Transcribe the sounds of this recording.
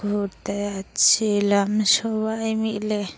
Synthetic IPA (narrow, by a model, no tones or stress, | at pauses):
ɡʱoɾt̪ajat͡ʃʰilamsɔβajmile